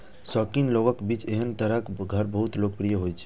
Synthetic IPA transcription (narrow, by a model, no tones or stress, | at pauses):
sɔkinloʋəkbit͡ʃeɦənt̪əɾəkɡʱəɾbəɦut̪lokpɾijəɦojt͡ʃʰe̥